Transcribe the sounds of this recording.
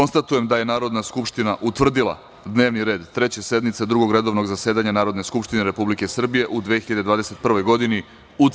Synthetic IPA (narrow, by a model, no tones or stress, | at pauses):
onst̪at̪uje̞md̪aje̞naːɾo̞d̪naskupʃt̪inaʔut̪ʋr̩d̪ilˠa̰ | d̪ne̞ːʋniɾe̞ːd̪t̪ɾe̞t͡ɕe̞se̞d̪mit̪sed̪ɾuɡo̞ɡɾe̞d̪o̞ʋnoɡzaseːd̪aɲanaːɾo̞d̪ne̞skupʃt̪ine̞ɾe̞publike̞sr̩bije̞ʔud̪ʋexiʎad̪ed̪ʋaːd̪ese̞t̪pr̩ʋo̞jɡo̞d̪ini | ut̪